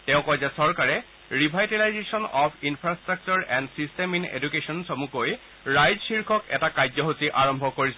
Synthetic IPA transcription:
tɛʊ̃kɔjzɛsɔɹkaɹɛ | ɹibʱajtalajzesɔnɔpʰinpʰɹastɹak̚t͡ʃɔɹɛndsisteminḛdukesɔnsɔmukoj | ɹajzsiɹkʰɔkɛ̰takajd͡ʑzɔɦosiʔaɹɔmbʱɔkoɹisɛ

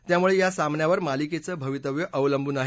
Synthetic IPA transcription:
t̪jamuɭejasamnjaʋəɾmaliket͡səːbʱəʋit̪əʋjəʔəʋləmbʱuːnaɦ

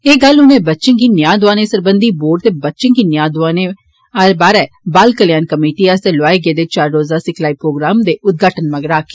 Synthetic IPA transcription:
eːɡəlʊnẽːbətːʃənkiːnjãːd̪ʊaːneːsəɾbənd̪iːboːɖ̚t̪eːbətːʃənkiːnjaːd̪ʊʋaːneː | aɾbaːɾɛː | baːlkəlɪjaːnkəmeːʈiːəst̪eloaːeɡeːd̪eːt͡ʃaːɾːoːzaːsɪkʰlaːiːpɾoːɡɾaːmd̪eːʊt̪̚ɡaːʈənməɡɾaːki̥ː

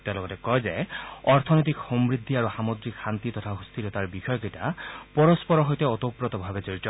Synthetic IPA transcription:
t̪ɛalɔɡɔtɛkɔjzeɔɹt̪ʰɔnojt̪̬ikxɔmɹid̪ʱːiaɹuxamod̪ɹikxant̪it̪ɔt̪ʰaɦust̪ʰilɔt̪aɹbixɔjɔketapɔɹɔspɔɹɔɦojtɛɔt̪opɹɔt̪ɔbʱabezoɹitɔ

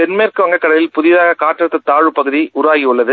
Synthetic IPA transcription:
pɛnmeːrkɯʋɐŋɡɐkːɐɽɐlɪlpʊðɪðaːɣɐkaːʈːɾɐt̪ːɐt̪ːaːɻɯpːɐɣɯðiʔʊɾaːɣiʊɭːɐðɯ

